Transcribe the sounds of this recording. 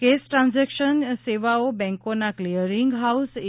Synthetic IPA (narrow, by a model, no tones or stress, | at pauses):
kesʈɾãnzɛkʃənseʋaobɛ̃ŋkonakliəɾiŋɡɦaus